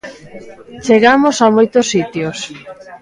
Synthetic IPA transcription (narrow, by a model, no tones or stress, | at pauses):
t͡ʃeɣamosamojt̪osːit̪jos